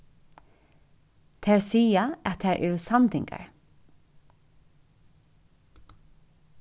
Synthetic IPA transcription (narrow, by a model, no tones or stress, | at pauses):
t̪ʰɛːɹsiːaɛt̪ʰːɛːɹʔɛ̰ːɹʊsant̪ɪŋka̰ɹ